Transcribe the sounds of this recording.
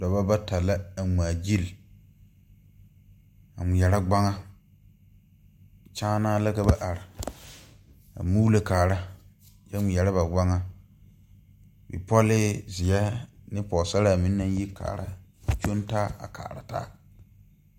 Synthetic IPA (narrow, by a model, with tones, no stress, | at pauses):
dɔ˨ba˦ba˦ta˨la˦a˨m˨a˨d͡ʒi˦l | a̰˨mʊ̃˨jɛ˨ɾa˦ɡ͡ba˦ŋa˦ | t͡ʃaː˦naː˦la˦ka˦ba˦ʔa˨ɾɪ˨ | a̰˨mu˦le˨kaː˨ɾa˦ | d͡ʒɛ˦mʊ˨jɛ˨ɾa˦ba˨ɡ͡ba˦ŋa˦ | bḭ˨pɔ˦lɪ˦zɪ˨ɛ˦nɪ̃˦pɔ˨sa˦ɾa˦˨mĩ˦nːã˦ji˦kʰa̰ː˨ɾa̰˦t͡ʃo˦ntaː˦a̰˨kʰa̰ː˨ɾa̰˨ta̰ː˦